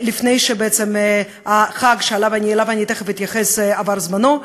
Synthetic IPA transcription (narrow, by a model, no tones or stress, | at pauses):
lifnejʃebeet͡sem | aχaɡʃealavanʲieːlavanʲit̪eχaveit̪jaχesavaɾzmano